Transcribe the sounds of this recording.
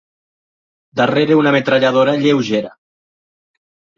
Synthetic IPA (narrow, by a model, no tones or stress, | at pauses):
d̪areɾeunamet̪ɾaʎaðoɾaʎewʒeɾa